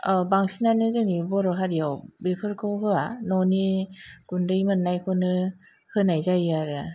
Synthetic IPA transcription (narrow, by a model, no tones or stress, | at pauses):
abaŋsinanɯzɯnibɔɾɔɦaɾijawbepʰɯɾkʰɯwɦɯanɔniɡ̥undɯjmɯnːajkʰɯnɯ | hɯnajzajaɾɯ